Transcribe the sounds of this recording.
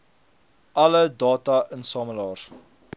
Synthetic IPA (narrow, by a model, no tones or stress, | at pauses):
ʔɐlədɑːtɐənsɑːməlɑːr